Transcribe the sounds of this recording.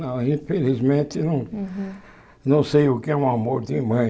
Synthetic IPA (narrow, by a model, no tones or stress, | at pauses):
nɐ̃w̃ĩfelizmẽt̪ɪnɐ̃w̃ | nɐ̃w̃sejʊkɪɛũamoɾd̪ɪmɐ̃j̃